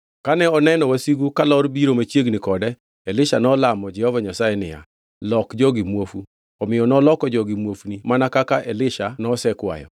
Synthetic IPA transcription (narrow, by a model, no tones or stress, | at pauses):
kanɛɔnɛnɔwasiɡukalɔɾbiɾomat͡ʃjeɡnikɔdɛ | ɛlɪʃanɔlamɔd͡ʒɛhɔvaɲasajɛnɪ̰ja̰ | lɔkd͡ʒɔɡimwofu | ɔmɪjɔnɔlɔkɔd͡ʒɔɡimwofnimanakakaʔɛlɪʃanɔsɛkwa̰jɔ̰